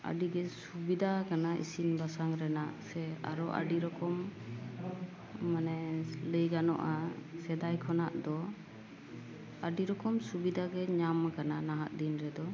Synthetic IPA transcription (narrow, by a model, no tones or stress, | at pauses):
a̰ɖiɡɛsubid̪ʱakanaʔḭsinbasaŋɾɛnaʔsɛa̰ɾɔʔa̰ɖiɾɔkɔm | anɛləjɡanɔ̰ʔasɛd̪ajkʰɔnaʔd̪ɔ | aɖiɾɔkɔmsubid̪ʱaɡɛɲamakananaɦaʔd̪inɾɛd̪ɔ